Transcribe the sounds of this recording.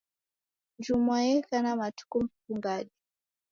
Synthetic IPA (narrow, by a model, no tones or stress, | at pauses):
nd͡ʒumwajɛkanamatu̥kum̩fuŋɡaɗi